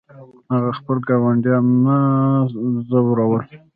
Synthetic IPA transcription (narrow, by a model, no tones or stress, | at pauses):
haɣaxpəlɡɑwaɳɖjɑnːa | zawɾawəl